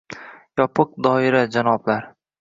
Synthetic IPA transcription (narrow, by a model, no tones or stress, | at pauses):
jɒpʰɨq̚d̪ɒɪɾad͡ʒanɒblaɾ